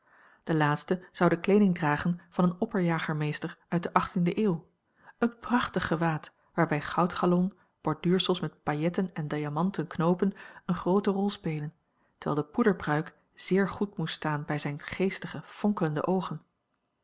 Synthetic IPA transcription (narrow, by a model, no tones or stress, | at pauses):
d̥əlaːtstəz̥ɑwdəklejdɪŋdraːχənv̥ɑnənɔpəɹjaːχəɹmejstəɹʔœɥt̚dəʔɑχtindəʔeːw | ənprɑχtəχəʋaːt | ʋaːɹbɛjχɑwtχalɔn | b̥ɔɹdyːɹsəlˠsmɛt̚pajɛtənɛndajamɑntənknowpənənχrowtərɔlˠspejlən | təɹʋɛ̰ːlˠdəpudəɹbrœɥk | z̥ɪːɹχutmutstaːnbɛjzɛjnχejstəχəfɔŋkələndə̰ʔowχən